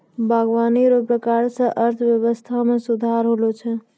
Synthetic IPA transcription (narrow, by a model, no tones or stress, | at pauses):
bʱaɡʋaniɾopɾəkaɾsə̃ʔəɾt̪ʰbjəβəst̪ʰamesud̪ʱaɾɦolot͡ʃʰɛ